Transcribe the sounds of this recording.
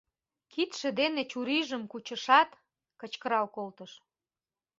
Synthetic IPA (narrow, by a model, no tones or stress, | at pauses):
kit̪ʃĕd̪enet͡ɕuɾiʒəmkut͡ɕə̆ʃɑt̪ | kət͡ɕkəɾɑwkolt̪əʃ